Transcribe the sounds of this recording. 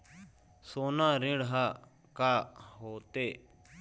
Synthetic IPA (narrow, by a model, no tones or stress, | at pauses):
soːnãːɾɪ̃ɽɦaː | kaːɦoːt̪eː